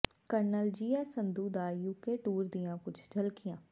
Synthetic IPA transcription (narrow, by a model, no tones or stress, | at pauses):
kəɾnəld͡ʒiːɛːsənd̪uːd̪aːjuːkeːʈuːɾd̪ijãːkʊt͡ʃʰd͡ʒəlkɪjãː